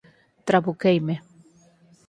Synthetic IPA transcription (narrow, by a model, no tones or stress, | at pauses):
t̪ɾaβukejme